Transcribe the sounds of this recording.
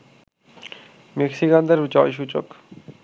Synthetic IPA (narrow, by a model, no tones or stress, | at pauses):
meksikand̪eɾd͡ʑɔjʃ̬ut͡ɕo̰k